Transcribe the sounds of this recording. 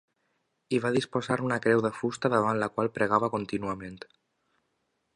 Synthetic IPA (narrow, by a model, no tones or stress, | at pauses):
iβ̞aðispozaɾunakɾɛwðəfust̪aðəβanlakwalˠpɾəɣaβəkont̪inuamẽnt̪